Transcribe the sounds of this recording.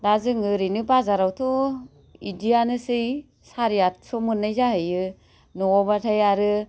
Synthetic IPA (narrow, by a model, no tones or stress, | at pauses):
dazɯŋɯɾinɯpazaɾawtʰɔ | idijanɯsɯj | saɾijatsɔmɯnːajzahɯjɯ | nɔɔbatʰajaɾɯ